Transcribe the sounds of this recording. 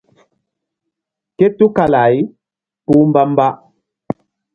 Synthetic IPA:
ke˦tu˦ka˨la˨i˦ | pu˦m˦ba˦m˦ba˦

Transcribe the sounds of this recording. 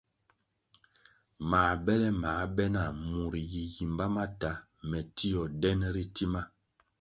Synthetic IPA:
maː˨bɛ˦lɛ˦maː˨˦bɛ˦na˨mu˨ɾi˨ji˨ji˨mba˦ma˦ta˦ | mɛ˨ti˦jɔ˨dɛ˦nɾi˦ti˦ma˦

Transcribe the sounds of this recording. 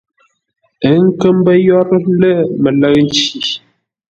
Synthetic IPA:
ə˨˦ŋ̩˦kə˦mbə˦jɔ˦ɾlə˦˨mə˨lə˦ɣn̩˦t͡ʃi˨

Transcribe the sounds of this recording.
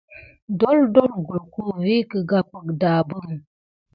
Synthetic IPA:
dɔ˦ldɔ˦lɡu˨lku˦˨vi˦kə˨ɡa˦pə˨k̚da˨bə˦ŋ

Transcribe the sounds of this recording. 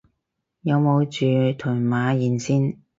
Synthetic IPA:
jɐ˨˧wmo˨˧wt͡ʃyː˨˧t̪ʰʊ˨˩maː˨˧jiː˨nsiː˥n

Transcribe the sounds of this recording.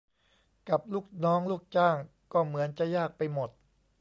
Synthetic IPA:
ka˨˩p̚luː˥˩k̚nɔː˦˥ŋluː˥˩k̚t͡ɕaː˥˩ŋ | kɔː˥˩mɯ˩˦ənt͡ɕa˨˩jaː˥˩k̚pa˧jmo˨˩t̪̚

